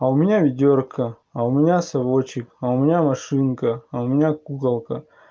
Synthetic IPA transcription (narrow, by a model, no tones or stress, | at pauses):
ɐʊmʲɪnʲavʲɪdʲorkʰə | ɐʊmʲɪnʲasɐʋot͡ɕɪkɐʊmʲɪnʲamɐʂɨnkəɐʊmʲɪnʲakukɐlˠkɐ